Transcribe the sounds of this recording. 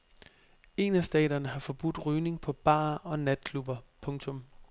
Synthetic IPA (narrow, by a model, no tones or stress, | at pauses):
e̝næsd̥ɛ̰ːd̥ɐnəɦɑ̈fɒ̽b̥ud̥ʁyːne̝ŋpʰɒ̽b̥ɑ̰̈ːɒ̽næd̥̚kʰlub̥ɐpʰɔ̽ŋt͡sʰɔ̽m